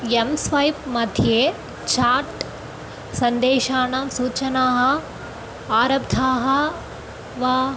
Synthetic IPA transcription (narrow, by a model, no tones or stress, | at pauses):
emsʋɐjpmɐd̪ʱjeː | t͡ʃaːɾʈ | sɐnd̪eːʃaːɳɐmsuːt͡ʃɐnaːɦɐ̆ | aːɾɐbd̪ʱaːɦɐ̆ | ʋaː